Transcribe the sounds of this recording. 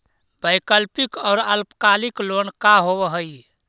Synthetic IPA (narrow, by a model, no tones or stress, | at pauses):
bəjkəlpikɔːɾəlpkaliklonkaɦobəɦəj